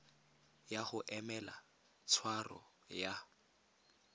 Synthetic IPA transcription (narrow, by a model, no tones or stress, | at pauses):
jaχʊʔɛmɛla | t͡sʰwarɔ̰ | ja